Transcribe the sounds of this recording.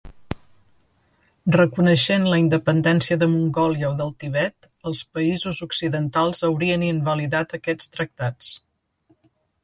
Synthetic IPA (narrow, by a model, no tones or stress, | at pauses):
rəkunəʃenləind̪əpənd̪ɛnsiəðəmuŋɡɔljəoðəlˠt̪iβ̞ɛt̪ | əlˠspəizuzuksiðənt̪alˠzəwɾiəniənbəliðat̪əkɛt͡sst̪ɾək̚t̪at͡s